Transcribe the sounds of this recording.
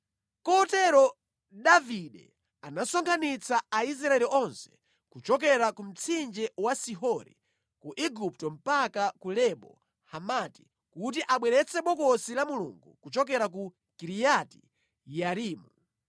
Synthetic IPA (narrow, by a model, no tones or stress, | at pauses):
kɔtɛɾɔ | ɗaviɗɛ | anasɔŋɡkʰanit͡sʰaais̬ɾaɛliʔɔnsɛ̥ | kut͡ʃɔk̬ɛɾakum̩t͡sʰind͡ʒɛwasiɦɔɾḭ | kuʔiɡup̚tɔm̩pakakulɛɓɔ̰ | hamati̥ | kut̬iʔaɓwɛɾɛt͡sʰɛɓɔkɔsilamulṵŋɡṵkut͡ʃɔkɛɾak̬u | kiɾijati̥ | jaɾiːmu